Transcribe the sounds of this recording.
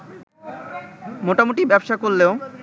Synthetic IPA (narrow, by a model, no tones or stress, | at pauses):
moʈamoʈibɛbʃakolːeo